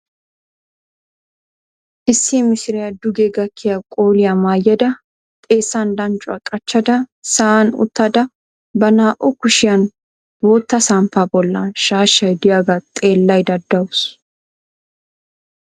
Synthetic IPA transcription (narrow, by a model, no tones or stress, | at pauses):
ʔɪsːimɪsɪɾɪjɐd̪ʊɡeːɡɐkʰːɪjakʼoːlɪjamaːjɐd̪ɐ | t̪ʼe̞ːsːɐnd̪ɐnt͡ʃʼʊɐ̰kʼɐt͡ʃːɐd̪ɐsɐanʊ̰t̪ːɐd̪ɐ | bɐnaːʔɔkʊʃɪjɐn | bɔt̪ːɐsɐmpabɔlːɐ̰nʃaːʃɐjd̪ɪjaɡɐt̪ʼe̞ːlːɐjd̪ɐd̪ːɐwʊs